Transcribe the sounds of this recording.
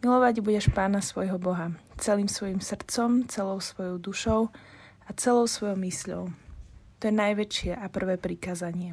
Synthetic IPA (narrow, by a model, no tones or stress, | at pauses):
milɔʋaɟbuɟɛʃpaːnasʋɔjɦɔbɔɦat͡sɛliːmsʋɔjimsr̩t͡sɔmt͡sɛlɔʊsʋɔjɔʊd̪uʃɔʊ | at͡sɛlɔʊsʋɔjɔʊmisʎɔ̰ʊt̪ɔjɛnajʋɛt͡ʃɪɛʔapr̩ʋɛːpɾikaːzaɲɪɛ